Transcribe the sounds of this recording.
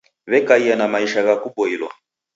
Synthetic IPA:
βɛkaijanamaiʃaɣakubɔilwa̰

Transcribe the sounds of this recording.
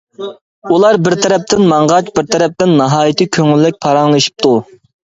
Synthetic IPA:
ulˠɑɾbɪɾt̪ʰɛɾɛp̚t̪ʰɪnmɑɴʁɑt͡ʃbɪɾt̪ʰɛɾɛp̚t̪ɪnːɑɦɑːjit̪ʰɨkʲʰøŋylːɪk̚ʲpʰɑɾɑŋlˠɨʃi̥p̚t̪ʰu

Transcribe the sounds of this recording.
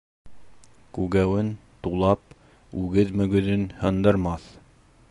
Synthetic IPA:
kʉɡæwɘnt̪ulˠɑp̚ | ʉɡɘðmɵ̆ɡɵ̆ðɵnhɤ̆nd̪ɤ̆ɾmɑθ

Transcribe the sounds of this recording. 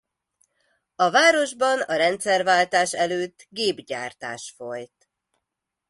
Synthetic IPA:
ɒvaːɾo̞ʒbɒnɒɾɛnt̪sɛrvaːlt̪aːʃɛløːt̪ːɡeːbɟa̰ːrt̪a̰ːʃfo̞jt̪

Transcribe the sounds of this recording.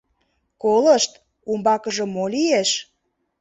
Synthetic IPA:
koləʃt̪ | umbɑkəʒɤ̆molieʃ

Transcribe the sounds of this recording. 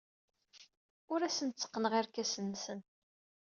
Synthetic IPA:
ʊɾæsənt͡sːə̥qːnʁiɾkæsənːsən

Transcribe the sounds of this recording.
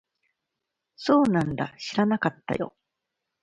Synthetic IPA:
so̞ːnãnd̪a̰ɕiɾanakat̪ːa̰jo̞̰

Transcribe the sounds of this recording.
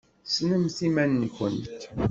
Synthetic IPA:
snəmθimænːçʷənt̪

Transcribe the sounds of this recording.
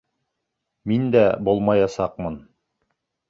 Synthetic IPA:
mind̪æbulˠmɑjɑsɑq̚mɤn

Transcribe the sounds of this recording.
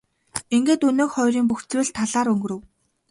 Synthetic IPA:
iŋɡeːt̪ɵnoːχɔjɾiːŋpuxt͡swɘ̆ːɮt̪ʰːaɮaːɾɵŋɡɵ̆ɾɵ̆w

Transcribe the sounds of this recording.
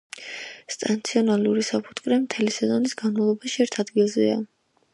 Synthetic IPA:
st̪ʼant̪sʰiɔnaluɾisapʰu̥t̪ʼkʼɾɛmt̪ʰɛlisɛzɔnisɡanmavlˠɔbaʃiɛɾt̪ʰad̪ɡilˠzɛ̰a̰

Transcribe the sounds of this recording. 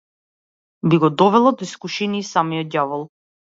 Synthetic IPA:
biɡɔd̪ɔvɛlˠad̪ɔiskuʃiniːsamijɔt̪̚javɔlˠ

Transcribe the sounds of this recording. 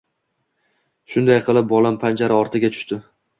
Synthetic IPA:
ʃʊnd̪ajqʰɨlˠɪp̚bɒlampʰand͡ʒaɾɪɒɾt̪ʰɪɡʲat̪ʰʊ̥ʃt̪ɪ

